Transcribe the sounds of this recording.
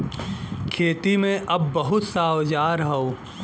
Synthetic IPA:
kʰeːt̪imẽʔɐbːɐɦʊt̪saːwd͡ʒaːɾɦɐoː

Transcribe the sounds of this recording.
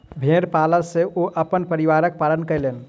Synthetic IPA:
bʱeɾpaləɾseʔoʔəpənpəɾiʋaɾək̚palənkəlen

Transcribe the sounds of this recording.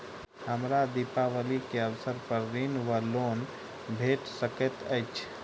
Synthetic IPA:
həmɾad̪ipaʋəlikeəwsəɾpəɾːinwəlon | bʱeʈsəkət̪əɪt͡ʃʰ

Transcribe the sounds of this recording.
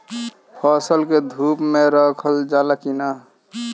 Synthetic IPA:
pʰɔsəlked̪ʱuːpmeɾəkʰəld͡ʒaːlakina

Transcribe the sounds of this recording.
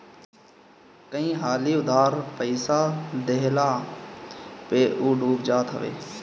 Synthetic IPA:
kəĩːɦaːliːʊd̪ʱaːɾpəɪsaːd̪eːlaː | peːʔuːɖʱuːbd͡ʒaːt̪ɦə̰ʋḛː

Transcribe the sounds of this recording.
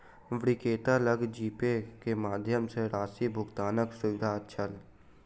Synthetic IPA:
ʋɽikeːt̪aləɡd͡ʒiːpekemaːd̪ʱjəmseɾaːsibʱʊɡt̪aːnəksʊʋɪd̪ʱaːt̪t͡ʃʰəl

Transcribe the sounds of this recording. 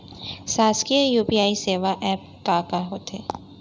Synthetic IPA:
saːskiəjuːpiaːiseːʋaʔɛːp̚kaːkaɦoːt̪ḛː

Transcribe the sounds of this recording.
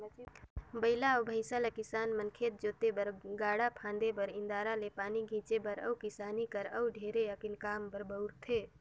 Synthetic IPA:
bəɪlaobʱəɪsalekɪsaːnmənkʰeːt̪̚d͡ʒoːt̪ebəɾɡaːɽapʰãːnd̪ebəɾɪ̃nd̪aːɾalepaːniɡʱĩːt͡ʃebəɾə̰ʊkɪsaːnikəɾəwɖʱeːɾeəkɪnkaːmbəɾbəʊɾt̪ʰeː

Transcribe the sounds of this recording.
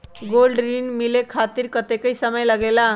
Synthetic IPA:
ɡolɖɾinmilekʰat̪iɾkət̪ekəjsəməjləɡela

